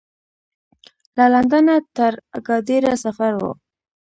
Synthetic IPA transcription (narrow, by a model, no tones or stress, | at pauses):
laland̪anat̪əɾɡɑd̪iɾasafaɾwo̰